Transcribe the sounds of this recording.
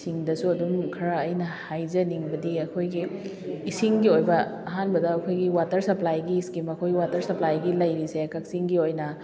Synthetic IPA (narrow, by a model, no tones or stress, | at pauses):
siŋdɐsuɐdumkʰɐɾaːjnɐhajd͡ʒɐniŋbɐdiɐkʰojɡiː | siŋɡiojbɐɐɦanbɐdɐːkʰojɡiwatɐɾsɐplajɡiskimɐkʰojɡiwatɐɾsɐplajɡilɐjɾisekɐk̚siŋɡiojnɐ